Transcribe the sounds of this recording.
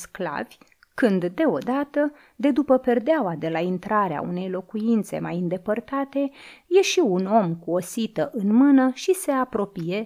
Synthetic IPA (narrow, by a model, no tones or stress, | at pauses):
skla̰vʲ | kɨnd̪ːe̞o̞d̪at̪ə | d̪e̞d̪upəpe̞rd̪eawad̪e̞laint̪ɾaɾea̰ṵne̞jlo̞kujint̪se̞̰majind̪e̞pərt̪at̪e̞je̞ʃiuno̞mkuo̞sit̪əʔɨnmɨnəʃise̞apɾo̞pije̞